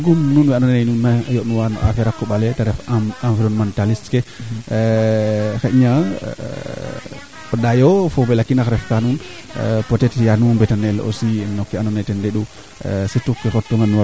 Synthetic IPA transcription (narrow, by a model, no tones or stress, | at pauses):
ɡumnunwɛanɔnnajnunːajonuwanɔ̰ʔa̰fɛɾakːɔɓalɛtaɾɛfaɱviɾɔnmantalistkɛ | kaʔɲa | ɔɗajɔfɔbɛlakːinakɾɛftanunpɔtɛtjanumbɛtanɛlɔ̰siɛnːɔkːɛanɔnajtɛndɛɗu | sɛtukːɛkɔtːɔŋɡanwa